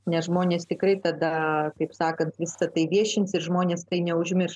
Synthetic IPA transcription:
nʲɛsʒmoːnʲeːst̪ʲɪkɾɐɪt̪ɐd̪ɐkɐɪpsɑːkɐnt̪ʋʲɪsɐt̪ɐɪʋʲiɛʃʲɪnʲsɪɾʒmoːnʲeːst̪ɐɪnʲɛʊʒʲmʲɪrs

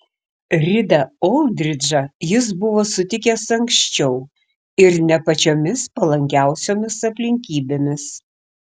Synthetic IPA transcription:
ɾʲɪd̪ɐolˠd̪ʲɾʲɪd͡ʒɐjɪs̬bʊʋoːsʊt̪ʲɪkʲeːsɐŋkʃʲt͡ʃʲɛʊ | ɪɾnʲɛpɐt͡ʃʲoːmʲɪspɐlˠɐŋʲkʲæˑʊsʲoːmʲɪsɐpʲlʲɪŋʲkʲiːbʲeːmʲɪs

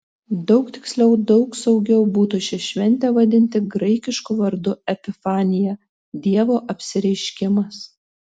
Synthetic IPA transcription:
d̪ɒʊkt̪ʲɪ̥ksʲlʲɛʊd̪ɒʊksɒʊɡʲɛʊbuːt̪uʃʲɪʃʲʋʲɛnʲt̪ʲeːʋɐd̪ʲɪnʲt̪ʲɪɡɾɐɪkʲɪʃkuʋɐɾd̪ʊɛpʲɪfɑːnʲɪjɛ | d̪ʲiɛʋoːʔɐpʲsʲɪɾʲɛɪʃʲkʲɪmɐs

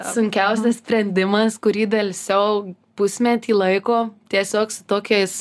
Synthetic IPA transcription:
ssʊŋʲkʲɛʊsʲɛssʲpʲɾʲɛnʲd̪ʲɪmɐskʊɾʲiːd̪ɐlʲsʲɛʊpʊsʲmʲɛt̪ʲiːlˠɐɪkoːt̪ʲiɛsʲoːksʊ̥t̪oːkʲeɪs

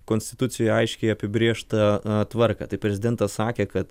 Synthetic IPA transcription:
koːnʲsʲt̪ʲɪ̥t̪ʊsʲɪjojɛɐɪʃʲkʲɛɪɐpʲɪbʲɾʲeːʃt̪ɐt̪ʋɐɾkɐ̰ːt̪ɐɪpʲɾʲɛzʲɪdʲɛnt̪ɐssɑːkʲeːkɐt̪

